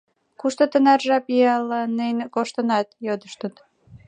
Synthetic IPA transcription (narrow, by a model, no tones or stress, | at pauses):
kuʃt̪ot̪ənɑrʒɑpiɑlːɑnənʲekoʃt̪ə̆nɑt̪jod̪əʃt̪ət̪